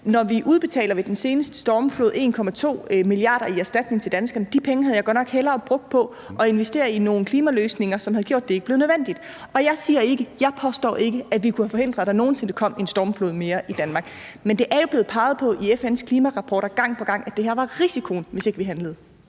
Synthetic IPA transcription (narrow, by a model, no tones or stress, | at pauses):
nɒʋiʔuð̞ˠb̥e̝t͡sʰɛ̰ːlɐʋed̥ense̝ːnəsd̥ə̥sd̥ɒːmflo̝ːðˠe̝̰ːnkʰɒ̽mæt͡sʰo̝̰ːmiliɑ̈ːɾ̥ɐiæɐsd̥æd̥̚ne̝ŋt͡sʰeld̥ænsɡ̥ɐnd̥ipʰeŋəɦæð̩ˠjɑɪɡɒ̽d̥nɒ̽ɡ̥helɐːb̥ʁɔ̽ɡ̥̚d̥̚pʰɒ̽ | ʔɒ̽e̝nʋesd̥e̝̰ːɐino̝ːn̩kʰliːmæløːsne̝ŋɐsɒ̽mhæð̞̩ˠɡjo̝̰d̥eeɡ̥əb̥le̝ːnəðˠʋen̰d̥id̥ | ɒ̽jɑ̈ɪsiːɐe̝ɡ̥əjɑ̈ɪpʰɒ̽sd̥ɒ̰ːe̝ɡ̥əæʋikʰuhæfɒ̽he̝n̰d̥ʁɐd̥æno̝ːn̩se̝nəkʰɒ̽m̰e̝nsd̥ɒːmflo̝̰ðˠme̝ːɐʔid̥ænmɑ̈ːɡ̥ | mend̥e̝ʔæɐjo̝b̥le̝ːð̩̥ˠpʰɑ̈ːɪð̞̩ˠpʰɒ̽ʔiefenskʰliːmæʁɑ̈pʰɒ̰ːɾ̥ɐɡ̥ɑ̈ŋ̰pʰɒ̽ɡ̥ɑ̈ŋ̰æd̥e̝hæɐʋɑ̈ʁisikʰo̝n̩ʋe̝se̝ɡ̥əʋiɦænləð̩ˠ